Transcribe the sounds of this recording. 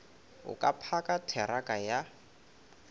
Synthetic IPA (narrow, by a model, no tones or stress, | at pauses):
ʊ̰kʼapʰakʼatʰɛɾakʼaja